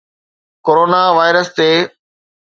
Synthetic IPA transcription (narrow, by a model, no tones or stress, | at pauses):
koːɾoːnaʋaːɪɾəst̪eː